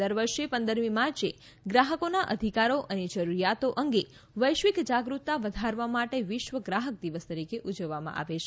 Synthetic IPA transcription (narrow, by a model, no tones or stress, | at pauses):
əɾʋəɾʃepə̃nd̪əɾmimaɾt͡ʃe | ɡɾaɦəkonaʔəd̪ʱikaɾoʔəned͡ʒəɾuɾijat̪oʔəŋɡe | ʋəjʃʋikd͡ʒaɡɾut̪ːaʋəd̪ʱaɾʋamaʈeʋɪʃʋəɡɾaɦək̚d̪iʋəst̪əɾikeʔud͡ʒəʋːamã̰ʔa̰ʋet͡ʃʰe